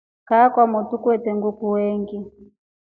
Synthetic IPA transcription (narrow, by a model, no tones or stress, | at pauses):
kakwamutukwɛtɛŋɡukuwɛŋɡi